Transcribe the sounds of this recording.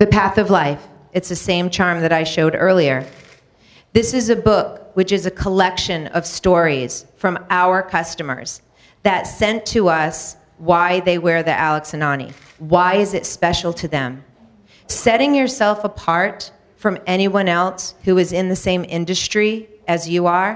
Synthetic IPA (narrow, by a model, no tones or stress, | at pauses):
ðɨpʰæθʌvlaɪf | ɨtsðɨsẽɪ̃mt͡ʃʰɑɹmðɨɾaɪʃoʊɾɜ̰˞lˠiə˞ | ðɪsɨzɨbʊkwɨt͡ʃɨzɨkʰəlɛkʃɨ̃nʌ̰v̥stɔɹiz̥fɹʌ̃maʊə˞kʰʌstɨmə̰˞z̥ | ðɨtsɛ̃ntʰɨʌs | waɪðeɪwɛɹðḭʔælˠəksɨ̃nɑnḭ | waɪɨzɨtspɛʃl̩ˠtʰɨðɨ̰̃m | sɛɾɪ̃ŋjə˞sɛlˠfəpʰɑɹt | fɹʌ̃mɛɾ̃iwʌ̃nɛlˠshuɨzɨ̃nðɨsẽɪ̃mɪ̰̃ndɨstɹ̥iɨzjɨə˞